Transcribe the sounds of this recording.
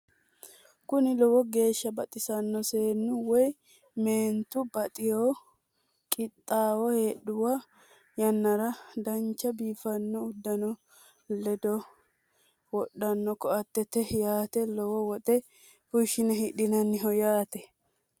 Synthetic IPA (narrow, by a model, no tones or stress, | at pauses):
kʊnɪlɔwɔɡe̞ːʃːɐbɐt̪ʼɪsɐnːɔse̞ːnːʊwɔj | meːnt̪ʊbɐt̪ʼɪjoː | kʼɪt̪ʼːaːwɔheːɗʊwa | jɐnːɐɾɐd̪ɐnt͡ʃːɐbiːfɐnːɔʊd̪ːɐnɔ | lɛd̪ɔ | wɔɗːɐnːɔkɔɐt̪ːɛt̪ɛjaːt̪ɛlɔwɔwɔt̪ʼɛ | hʊʃːɪnɛɦɪɗɪnɐnːɪɦɔjaːt̪ɛ